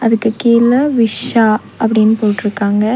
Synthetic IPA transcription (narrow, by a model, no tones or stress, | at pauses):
ɐðɯkːɯkiːlɐʋɪʂaː | ʔɐpːɐɽɪnːɯpoːʈːɪɾɯkːaːŋɡɐ